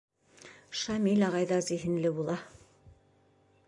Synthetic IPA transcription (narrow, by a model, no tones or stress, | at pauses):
ʃɑmilɑʁɑjðɑziɦɘ̆nlɘbulˠɑ